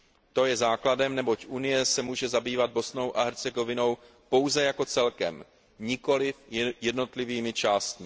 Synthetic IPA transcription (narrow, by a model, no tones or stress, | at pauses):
t̪o̞jɛzaːkladɛmnɛbo̞cʔunɪjɛsɛmuːʒɛzabiːvad̪̚bo̞sno̞wʔaɦɛɾt͡sɛɡo̞vɪno̞w | po̞wzɛjako̞t͡sɛlkɛ̰m | ɲɪko̞lɪfjɛdno̞t̪lɪviːmɪt͡ʃaːst̪mɪ